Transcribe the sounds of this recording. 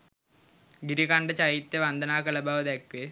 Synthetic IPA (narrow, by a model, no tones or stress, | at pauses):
ɡiɾikaɳɖɐt͡ɕɐjit̪ːeʋɐnd̪ʱɐnaːkɐlɐbaːʋɐd̪ekʋe